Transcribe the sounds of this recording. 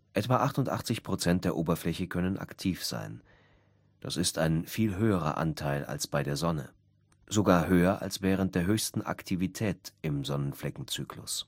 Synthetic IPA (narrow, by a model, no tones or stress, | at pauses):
ʔɛtv̥aʔaχtʊntʔa̰χt͡sɪçpʁ̥ot͡sɛnt̚d̥eːɐʔoːbɐflɛçəkʰœnənʔa̰ktʰiːfz̥a̰ɪn | d̥a̰sɪstaɪnfiːlɦøːəʁɐ̰ʔa̰ntʰaɪla̰lsb̥aɪdeːɐzɔnə̰ | z̥oɡaːɐɦøːɐʔa̰lsv̥ɛːʁ̞ənt̚d̥eːɐɦøːçstn̩ʔa̰ktʰivitʰɛːtɪmzɔnənflɛkŋ̩t͡syːklʊ̰s